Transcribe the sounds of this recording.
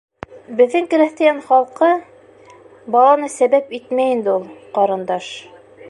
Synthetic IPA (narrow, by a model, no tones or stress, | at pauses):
bɘ̆ðːɘŋkɘ̆ɾæθt̪ɘ̆jænχɑlˠqɤ | bɑlˠɑnɤsæβæpit̪mæjind̪ɘulˠqɑɾɤ̆nd̪ɑʃ